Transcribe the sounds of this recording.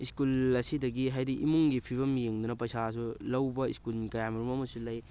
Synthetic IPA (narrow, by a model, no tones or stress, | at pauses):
iskulɐsidɐɡiɦajdiʔimuŋɡipʰiβɐmijeŋd̪unɐpɐjsas̬ulɐwbɐiskulkɐjamiɾumɐmɐsulɐj